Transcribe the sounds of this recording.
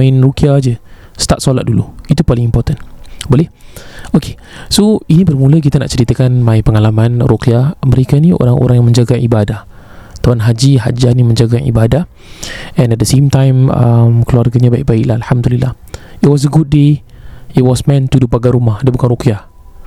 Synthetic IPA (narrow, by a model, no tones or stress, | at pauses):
maɪnrokiad͡ʒə | st̪at̪solat̪̚duluit̪upalɪŋimpɔt̪ənbolɪhokʰe̥ | soinĩbərmũlək̬it̪ana̰ʔt͡ʃəɾit̪akanmãipəŋalamãnrokiaməɾekanĩo̰ɾaŋo̰ɾãŋjaŋmə̃ɲd͡ʒaɡaḭbadah | t̪awanɦad͡ʒiɦa̰d͡ʒanimə̃ɲd͡ʒaɡaḭbadah | ɛ̃nɛt̚dəsemt̪ãjmə̰mkəluarɡaɲabaik̚baɪklahalhamdulilːah | it̚wɔs̬əɡud̚de | it̚wɔsmɛ̃nt̪udupaɡaɾumahdiəbukanrokia